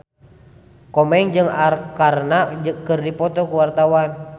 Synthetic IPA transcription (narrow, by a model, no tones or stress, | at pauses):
kɔmɛŋd͡ʒɨŋarkarnad͡ʒɨkɨrdipɔt̪ɔkuwart̪awan